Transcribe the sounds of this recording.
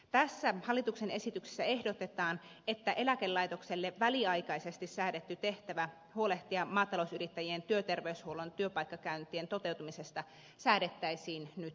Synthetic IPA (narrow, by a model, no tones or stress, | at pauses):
t̪æsːæhɑlːit̪uksene̞sit̪yksi̥sːæe̞hdot̪et̪ɑːnet̪ːæʔe̞lækelːɑit̪okselːeʋʋæliɑjkɑisest̪issæːdet̪ːyt̪e̞ht̪æʋæ | huoleht̪iɑmɑːt̪ɑlousyrit̪ːæjient̪yøt̪erʋeyshuolont̪yøpɑikːɑkæynt̪ˑient̪ot̪e̞wt̪umisest̪ɑ | sæːɾet̪ːæisiːnnyt̪